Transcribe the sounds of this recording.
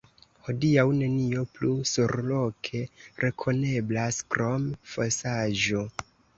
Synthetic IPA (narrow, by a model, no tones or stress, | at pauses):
ho̞diawne̞nio̞plusuɾlo̞kʰe̞ɾʔe̞kʰo̞ne̞blaskɾo̞mfosaʒo̞